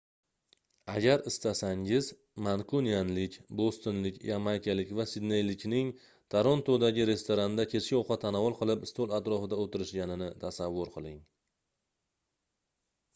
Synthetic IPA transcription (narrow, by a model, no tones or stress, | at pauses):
aɡʲaɾɪst̪asaŋɪz | mankʰonijanlɪkʲbost̪onlɪkʲjamajkʲʰalɪkʲvasɪd̪ne̞jlɪkʲnɪŋ | t̪ʰaɾont̪ʰod̪aɡʲɪɾe̞st̪ʰoɾand̪akʲʰe̞t͡ʃkʲɪɒqʰɑt̪ʰanavɒlˠqɨlˠɪpɪst̪olˠat̪ɾɒfɪd̪aot̪ɪɾɪʃɡʲanɪnɪt̪ʰasavːʊɾqʰɨlˠɪŋ